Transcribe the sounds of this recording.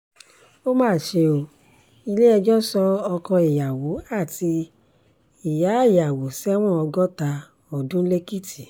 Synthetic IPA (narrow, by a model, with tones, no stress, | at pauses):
o˦mãː˦˨ʃe˧o˨ | i˧le˦ɛ˧d͡ʒɔ˦sɔ˧ɔ˧kɔ̃˧i˨ja˨wo˨˦a˦˨tʰi˧ | i˨ja˨˦i˦˨ja˨wo˨˦sɛ˦w̃ɔ̃˦ɔ˧ɡɔ˦ta˧ | ɔ˨dũ˦le˦ki˦˨tʰi˨